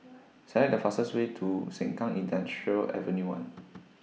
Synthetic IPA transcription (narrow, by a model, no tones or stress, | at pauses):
sɛlɛk̚dəfasəswetʰusɛ̃ŋkãŋĩndãnɹəlɛ̰və̃njuwã̰n